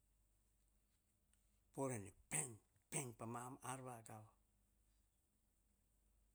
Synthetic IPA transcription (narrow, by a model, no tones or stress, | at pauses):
poɾenipeŋpeŋpamamaɾβaɡawa